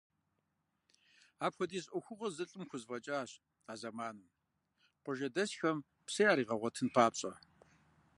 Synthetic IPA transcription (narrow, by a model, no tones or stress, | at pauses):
aːpxʷɔdiːsʼɔxʷʊʁɐzɨɬʼɨmxʷʊzvɐt͡ʃʼaːɕ | aːzɐmaːnɨm | qʷʊʒɐdɐɕxɐm | psɐjaːɾiːʁɐʁʷɔtʰɨnpʰaːpɕʼɐ